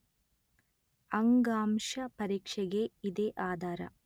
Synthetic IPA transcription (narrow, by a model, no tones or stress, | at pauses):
ɐŋɡaːmʂɐpɐɾiːkʂɐɡeid̪eːʔaːd̪ʱaːɾɐ̰